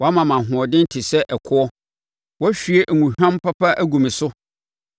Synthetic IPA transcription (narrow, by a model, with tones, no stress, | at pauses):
wɔ˨˦a˦mã˨mã˨ɦʊ̃˨ɔ˨dɪ̃˦n̩˦tʰɪ˨sɛ˦ʔɛ˨kʰʊ˦ɔ˦ | wɔ˦ɕᶣɥe˦ʔæ˨ŋũ˨hᶣã˦mpʰa˦pʰa˦ʔæ˦ɡũ˨mĩ˨sʊ˦